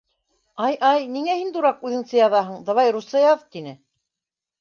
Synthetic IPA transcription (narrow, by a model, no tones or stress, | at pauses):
ɑjʔɑjniŋæhind̪uɾɑqʉðɘ̆ŋsɘjɑðɑɦɤɴd̪ɤ̆βɑjɾusɤjɑðt̪inɘ